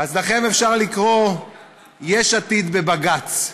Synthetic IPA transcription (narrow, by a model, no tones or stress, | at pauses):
azlaχe̞mefʃaʁlikʁo̞ | jeʃat̪id̪be̞baɡat͡s